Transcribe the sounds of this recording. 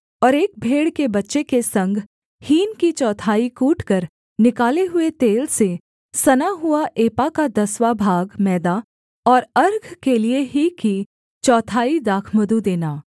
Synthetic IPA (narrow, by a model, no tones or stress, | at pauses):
ɔːɾeːk̚bʱeːɽkebɐtːʃekesɐ̃ŋɡʱ | hiːnkit͡ʃɔːt̪ʰaːikuːʈʰkəɾ | nɪkaːleɦʊet̪eːlse | sɐnaɦʊaʔeːpakad̪ɐswabʱaːɡmɛːd̪a | ɔːɾɐɾɡʱkelieɦiki | t͡ʃɔːt̪ʰaːid̪aːkʰməd̪ud̪eːnaː